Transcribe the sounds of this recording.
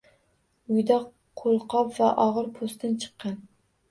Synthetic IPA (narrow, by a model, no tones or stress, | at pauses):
ʊjd̪ɑq | qʰolˠqʰɒpvaʔɒʁɨɾpʰost̪ʰant͡ʃʰɨ̥qːɑn